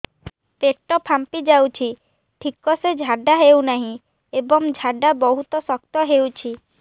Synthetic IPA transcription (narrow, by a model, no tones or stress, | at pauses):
peʈːɔpʰampid͡ʒawt͡ʃʰi | ʈʰikːɔsed͡ʒʱaɖaɦewnaɦĩ | ebɔŋd͡ʒʱaɖabɔɦut̪ɔsɔk̚t̪ɔɦewt͡ʃʰi